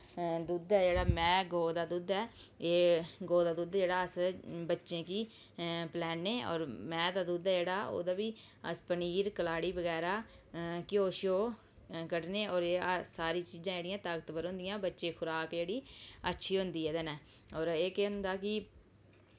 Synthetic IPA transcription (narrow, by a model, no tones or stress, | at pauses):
d̪uːd̪ɛːd͡ʒeːɽaːmɛ̃ːɡoːd̪aːd̪uːd̪ɛːeːɡoːd̪aːd̪uːd̪d͡ʒeːɽaːəsbətːʃẽːkiː | plɛːnːeːɔ̰ːɾmɛ̃ːd̪aːd̪uːd̪ɛːd͡ʒeːɽaːo̰ːd̪aːʋiː | ə̰spəniːɾkəlaːɽiːbəɡɛːɾaː | kɪjoːʃjoː | kəʈneːʔɔːɾeːsaːɾiːt͡ʃiːzãːd͡ʒeːɽɪjãːt̪aːɡət̪bəɾõːnd̪ɪjãːbətːʃẽːkʰʊɾaːkd͡ʒeːɽiːə̰tːʃʰiːɦʊ̃nd̪iːɦɛːd̪ɛnɛː | ɔːɾeːkeːɦʊ̃nd̪aːkɪ